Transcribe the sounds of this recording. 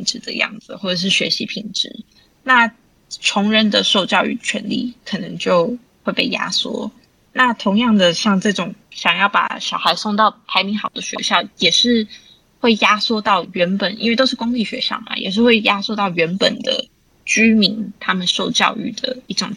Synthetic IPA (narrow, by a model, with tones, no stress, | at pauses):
ŋʈ͡ʂɻ̩˧˥d̪ə̰˨jɑ̰˥˩ŋd͡z̩˨˩xwɔ˥˩ʈ͡ʂə˨˩ʂ̬ɻ̩˥˩ɕɥɛ˧˥ɕi˧˥pʰi˨˩ŋʈ͡ʂɻ̩˧˥˦ | na˥˩ | ʈ͡ʂʰʊ˧˥ŋɻə˥nd̪ə˨ʂo˥˧ʊt͡ɕjɑ˥˧ʊy̰˥˩t͡ɕʰɥɛ̰˧˥nlḭ˥˨˩kʰɤ˨˩nɤ˧˦ŋt͡ɕjo˥˧ʊ | xwe˥˧ɪpe˥˩ɪja̰˥swɔ̰˥ | na˥˨˩t̪ʰo˧˥ŋjɑ˥˩ŋd̪ə˩ɕjɑ˥˧ŋʈ͡ʂɤ˥˩ʈ͡ʂʊ˨˩˦ŋɕjɑ˨˩ŋjɑ˥˩ʊpa̰˨˩ɕjɑ˨˩ʊxa˧˦˥ɪsʊ˥˧ŋt̪ɑ˥˩ʊpʰa˧˥ɪmi˧˥ŋxɑ˨˩ʊd̪ə˦ɕɥɛ̰˧˥ɕjɑ˥˩ʊjɛ˨˩ʂɻ̩˥˧ | xwe˥˩ɪja˥swɔ˥t̪ɑ˥˩ʊɥɛ˧˥npə˨˩nʔḭ˥nwe˥˩t̪o˥ʊʂɻ̩˥˩kʊ˥ŋli˥˩ɕɥɛ̰˧˥ɕjɑ̰˥˩ʊma̰˩jɛ̰˨˩ʂ̬ɻ̩˥˧xwe˥˩ɪja˥swɔ˥˧t̪ɑ˥˩ʊɥɛ˧˥npə˨˩nd̪ə̰˩ | t͡ɕy˥mi˧˥ŋt̪ʰa˥mə˨nʂo˥˧ʊt͡ɕjɑ̰˥˧ʊy̰˥˩d̪ə˩i˥˩ʈ͡ʂʊ˨˩ŋ